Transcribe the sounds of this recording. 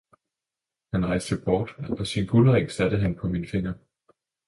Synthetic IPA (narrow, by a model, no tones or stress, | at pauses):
hænʁɑ̈ɪsd̥əb̥ɒːd̥ɒ̽sinbʰuləʁeŋsæd̥ð̩ɦænpʰɒ̽minfe̝ŋɐ